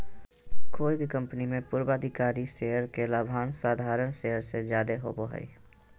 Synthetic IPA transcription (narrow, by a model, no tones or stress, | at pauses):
koːibʱikə̃mpənimẽpʊɾbaːd̪ʱɪkaːɾiʃeːɦəɾkelaːbʱaːnsaːd̪ʱaːɾənʃeɦəɾsezjaːd̪eɦo̰ːboɦɛ̰ḭ